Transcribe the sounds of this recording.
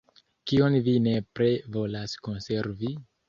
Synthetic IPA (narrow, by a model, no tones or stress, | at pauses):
kionvine̞pɾe̞vo̞lasko̞nse̞ɾvi